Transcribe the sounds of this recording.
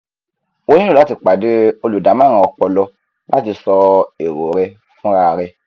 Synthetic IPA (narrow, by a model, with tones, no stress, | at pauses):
o˦nĩ˦nũ˦˨la˨˦ti˨˧k͡pa˨de˨˦o˧lu˨da˨˦mã˦˨ɾã˧ɔ˧k͡pɔ˧lɔ˧ | ba˦ti˧sɔ˧e˨ɾo˨ɾɛ˧ | fũ˦ɾa˧˨˧ɾɛ˧